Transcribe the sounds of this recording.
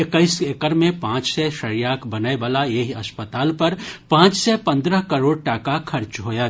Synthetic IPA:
ɪkəɪsekəɾmẽpãːt͡ʃsɛʃɐɾijaːkbɐnaebaːlaeɦiɐspət̪aːlpɐɾpãːt͡ʃsɛpɐ̃nd̪ɾəɦkəɾoːɽ̚ʈaːkakʰɐɾt͡ʃɦoːja

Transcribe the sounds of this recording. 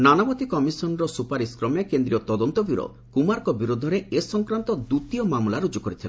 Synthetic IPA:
nanabɔt̪ikɔmisɔnɾɔsupaɾiskɾɔmekend̪ɾiɔt̪ɔd̪ɔnt̪ɔbiɾo̰ | kumaɾkɔbiɾud̪ʱɔɾeesɔŋkɾant̪ɔd̪ut̪iɔmamulaɾud͡ʒukɔɾit̪ʰila̰

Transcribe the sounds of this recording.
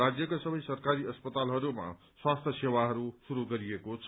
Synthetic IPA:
ad͡zjʌkasʌbʌjsʌrkaɾiʌspʌt̪alɦʌɾuma̰ | swast̪ʰjʌsewaɦʌɾusuɾuɡʌɾiekot͡sʰ

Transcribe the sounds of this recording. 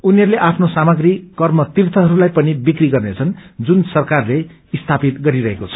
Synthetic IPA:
uniɦʌɾuleʔapʰnosamʌɡrikʌrmʌt̪irt̪ʰʌɦʌɾulajpʌnibikriɡʌrnet͡sʰʌnd͡zunsʌrkarle | ist̪ʰapit̪ɡʌɾiɾʌɦekot͡sʰʌ̥

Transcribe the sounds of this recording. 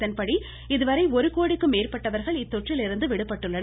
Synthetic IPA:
ɐnpɐɽi | ɪðɯʋɐɾɐɪɔɾɯkoːɽɪkːɯmːeːɾpɐʈːɐʋɐɾɣɐɭɪt̪ːɔʈrɪlɪɾɯnd̪ɯʋɪɽɯpːɐʈːɯɭːɐn

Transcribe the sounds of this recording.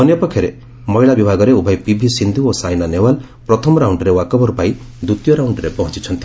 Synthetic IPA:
ɔnjɔpɔkʰːjɔɾe | mɔiɭabibʱaɡɔɾeubʱajpibʱisind̪ʱuosajnanewal | pɾɔt̪ʰɔmɔɾawɳɖɔɾewakɔbɔɾupai | d̪ut̪jɔɾawɳɖɔɾepɔɦɔ̃t͡ʃit͡ʃʰɔnt̪i

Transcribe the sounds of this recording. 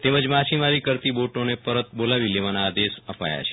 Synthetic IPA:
t̪eməd͡ʒmat͡ʃimaɾikəɾt̪iboʈonepəɾət̪bolaʋileʋanaːd̪esəpa̰ja̰t͡ʃʰe̥

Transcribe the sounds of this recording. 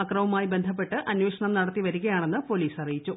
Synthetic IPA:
ɐkrɐʋɐmaːjibe̞nd̪ʱɐp̬ːe̞ʈːɨʔɐnweːʂɐɳɐmnɐɽɐt̪ːiʋɐɾuɣɐjaːɳe̞nːɨpo̞liːsɐrijit͡ɕːu

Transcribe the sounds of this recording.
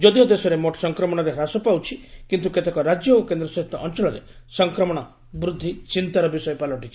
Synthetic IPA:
d͡ʒɔd̪iod̪esɔɾemoʈɔ̥sɔŋkɾɔmɔɽ̃ɔɾeɦɾasɔpawt͡ʃʰikint̪uket̪ekɔɾad͡ʒjɔokend̪ɾɔsɔɦit̪ʰːɔʔɔnt͡ʃɔɭɔɾe | sɔŋkɾɔmɔɽ̃ɔ | bɾud̪ʱːit͡ʃint̪aɾɔbisɔjɔpalɔʈit͡ʃʰi

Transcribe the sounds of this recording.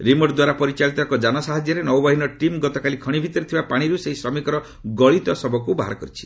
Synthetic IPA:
ɾimɔʈd̪waɾapɔɾit͡ʃaɭit̪ɔekɔd͡ʒanɔsaɦad͡ʒjɔɾenɔwbaɦinɔʈimɡɔt̪ɔkalikʰɔɽ̃ibʱit̪ɔɾit̪ʰibapaɽ̃iɾuseɦisɾɔmikɔɾɔ | ɡɔɭit̪ɔsɔbɔkubaɦa̰ɾkɔɾit͡ʃʰi̥

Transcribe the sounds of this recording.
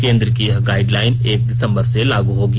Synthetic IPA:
kẽːnd̪ɾəkiɦɡaːɪɖlaːɪneːk̚ɖɪsə̃mbəɾselaːɡuɦoːɡ

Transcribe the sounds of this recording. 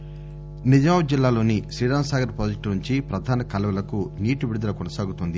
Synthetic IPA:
nid͡ʒaːwɐd͡ʒilːaːlo̞ːnisɾiːɽaːnsaːɡɐɾpɾoːd͡ʒɐk̚ʈnuɲt͡ʃipɾɐd̪ʱaːnɐkɐlɐʋɐlɐkuniːʈubiɽud̪ɐlɐkɔnɐsaːɡut̪und̪i

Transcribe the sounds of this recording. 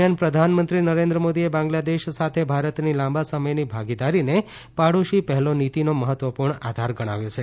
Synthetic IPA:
janpɾəd̪ʱanmənt̪ɾinəɾẽnd̪ɾəmod̪iebãŋɡlad̪eʃsat̪ʰebʱaɾət̪nilãmbasəməjnibʱaɡid̪aɾine | paɽuʃipəɦɛlonit̪inoməɦət̪ʋəpuɾɳad̪ʱaɾɡəɽ̃a̰ʋjot͡ʃʰe

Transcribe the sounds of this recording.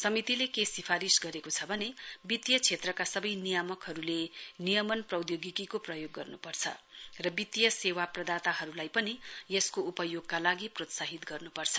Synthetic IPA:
sʌmit̪ilekesipʰaɾisɡʌɾekot͡sʰʌbʱʌnebit̪jʌt͡sʰet̪rʌkasʌbʌjnijamʌkɦʌɾulenijʌmʌnprʌwd̪joɡikikoprʌjoɡːʌrnupʌrt͡sʰʌ̰rʌbit̪jʌsewaprʌd̪at̪aɦʌɾulajpʌnijʌskoupʌjoɡkalaɡiprot̪saɦit̪ɡʌrnupʌrt͡sʰʌ

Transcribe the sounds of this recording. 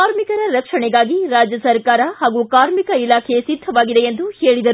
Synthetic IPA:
aːɾmikɐɾɐɾɐkʂɐɳɛɡaːɡiɾaːd͡ʒjɐsɐɾkaːɾɐhaːɡukaːɾmikɐilaːkʰesid̪ʱːɐʋaːɡid̪eend̪uheːɭid̪ɐɾu

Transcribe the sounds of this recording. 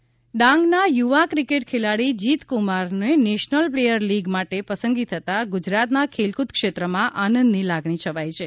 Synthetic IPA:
ɖãŋɡnajuʋakɾikeʈ̚kʰelaɽid͡ʒit̪kumaɾneneʃnəlplejəɾliɡmaʈepəsəŋɡit̪ʰət̪aɡud͡ʒɾat̪nakʰelkut̪kʃet̪ɾəmãʔanə̃nd̪nilaɡɳ̃it͡ʃʰəʋajt͡ʃʰe

